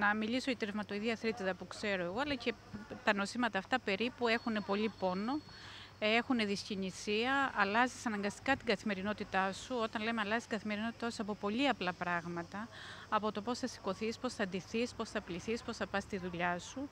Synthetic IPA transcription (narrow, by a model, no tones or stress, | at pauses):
nɐmiliso̞ʝɐt̪ɾevmɐt̪oiðiɐθɾit̪iðɐpukse̞ɾo̞eɣo̞ɐlɐce̞ | t̪ɐno̞simɐt̪ɐːft̪ɐpe̞ɾipue̞xune̞po̞lipo̞no̞ | e̞xune̞ðiscinisiɐɐlɐzisɐnɐŋɡɐst̪i̥kɐt̪iɡɐθime̞ɾino̞t̪it̪ɐsuo̞t̪ɐnle̞meɐlɐzist̪iɡɐθime̞ɾino̞t̪i̥t̪ɐsuɐpo̞po̞ʎiɐplɐpɾɐɣmɐt̪ɐːpo̞t̪o̞po̞sθɐsi̥ko̞θispo̞sθɐnd̪iθispo̞sθɐpliθispo̞sθɐpɐst̪iðuʎɐsu